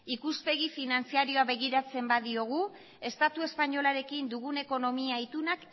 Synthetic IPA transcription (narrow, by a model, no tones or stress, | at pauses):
ikuspe̞ɣifinant͡siaɾio̞aβe̞ɣiɾat͡se̞mbaðio̞ɣ̞u | e̞st̪at̪ue̞spaɲo̞laɾe̞kind̪uɣune̞ko̞no̞miajt̪unak